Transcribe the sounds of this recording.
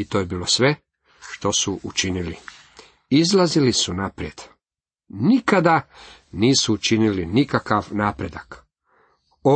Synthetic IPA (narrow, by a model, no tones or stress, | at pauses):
it̪ojebiːlo̞sʋe̞ | ʃt̪o̞suʔut͡ʃinili | izlazilisunapɾjed̪̥ | nikad̪aniːsuːt͡ʃinilinikakaʋnaːpɾed̪ak | o